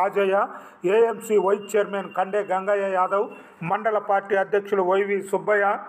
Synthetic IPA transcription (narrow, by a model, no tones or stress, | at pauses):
aːd͡ʒɐjaː | eːemsiːʋɐjt̪̚t͡ʃɛjɐɾmeːnkɐɳɖeːɡɐŋɡɐːjɐjaːd̪ɐw | mɐɳɖɐlɐpaːɾʈiːɐd̪jɐkʂuluʋɐjʋisubːɐjaː